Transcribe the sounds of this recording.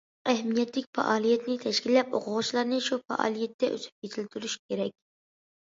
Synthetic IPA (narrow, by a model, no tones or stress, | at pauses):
ɛɦmijɛt̪lɪkʲfɑ̰ʔɑːlˠijɛt̪nɪt̪ʰɛʃkʲilːɛpo̰qʰʊʁʊt͡ʃlˠɑɾnɨʃufɑ̰ʔɑ̰ːlˠijɛt̪ːɛʔy̰sʰy̥p̚jet̪ʰɪlt̪ʰyɾyʃkʲʰeɾɛkʲ